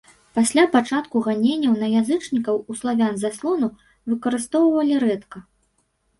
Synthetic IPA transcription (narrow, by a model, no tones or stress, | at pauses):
pasʲlʲapat͡ʂat̪kuɣanʲenʲːɐwnɐjazɨt͡ʂnʲikɐwuslˠavʲanzaslˠɔnu | vɨkɐɾɨst̪ɔwvɐlʲiɾɛt̪kɐ